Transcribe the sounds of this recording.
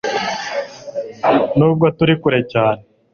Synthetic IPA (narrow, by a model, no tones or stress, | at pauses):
nuːb̚ɡotuɾikuɾe̞caːne